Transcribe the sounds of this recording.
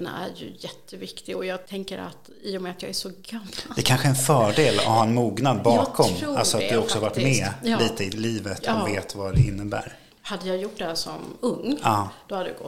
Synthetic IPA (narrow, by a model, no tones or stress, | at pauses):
n̰æ̰ɾjɵ̰jɛt̪ʰːəvɪkt̪ɪɡɔjɑːɡ̚t̪ʰɛŋkəɾa̰t̪ | iːʊmɛat̪jɑːɡæʂɔɡamːd̪ɛkʰanɧəɛnfœːɖeːlɔ̰vhaːɛnmuːɡnad̪bɑːkʰɔmalsɔat̪̚d̪ɵhɔksɔhaɾvaʈːmɛliːt̪əɪliːvət̪ʰɔveːt̪vad̪ɛɪnːəbæ̰ːɾ | had̪ːəjɑːjʊʈːd̪ɛhæʂɔ̰mɵŋːɑ̥ːohad̪ədɡɔ